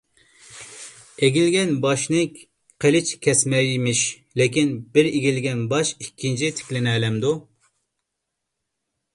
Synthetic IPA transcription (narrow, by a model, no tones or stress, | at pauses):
eɡʲilɡʲɛnbɑʃnɨ | qʰelɪt͡ʃkʲʰɛsmɛjmɪʃ | lɪkʲinbɪɾiɡʲilɡʲɛnbɑʃikʲʰːint͡ʃʰit̪ʰɪ̥kʲlɪnɛːlɛmd̪u